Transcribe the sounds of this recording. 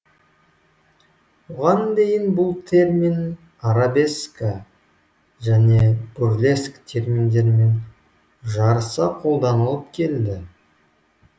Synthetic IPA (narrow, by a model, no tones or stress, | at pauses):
buʁɑnd̪e̞jɪnbʊlˠt̪ʰe̞rmʲin | aɾabe̞skə | ʒæne̞burlʲe̞skt̪ʰe̞rmʲind̪e̞ɾme̞n | ʒɑɾəsɑqʰo̞lˠd̪ɑnəlˠəp̚kʲʰe̞ld̪ɪ